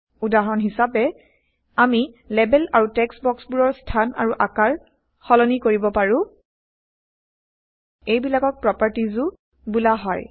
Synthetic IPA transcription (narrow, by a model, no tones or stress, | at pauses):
udaɹɔnɦisapɛ | ami | lɛbɛlaɹutɛksbɔksbuɹɔɹstʰana̰ɹuʔakaɹ | xɔlɔnikoɹibɔpaɹʊ̃ | ejbilakɔk̚pɹɔpaɹtizu | bulaɦɔj